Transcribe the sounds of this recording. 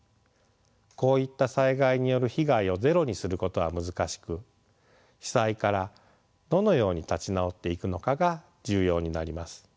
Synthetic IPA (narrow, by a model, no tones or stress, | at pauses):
ko̞ːit̪ːasaiɡaiɲ̟ijo̞ɾɯ̟çiɡaio̞ze̞ɾo̞ɲ̟isɨɾɯ̟ko̞t̪o̞βamɯ̟zɨkaɕi̥kɯ̟ | çi̥saikaɾa | d̪o̞no̞jo̞ːɲ̟it̪at͡ɕinao̞t̪ːe̞ikɯ̟no̞kaɡa | d͡ʑɨːjo̞ːɲ̟inaɾʲimasɨ̥